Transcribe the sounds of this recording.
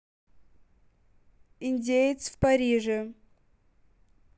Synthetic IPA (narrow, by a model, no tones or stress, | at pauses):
inʲdʲejt̪svpaɾʲiʐɨ